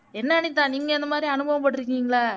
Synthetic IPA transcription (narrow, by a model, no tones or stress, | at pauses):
ɛnːɐːɳɪt̪ːãːniːŋɡɐɪnd̪ɐmaːd̪ɾiɐnɯbɐʋɐmpɐʈːɪɾɯkːiːŋɡɐɭaː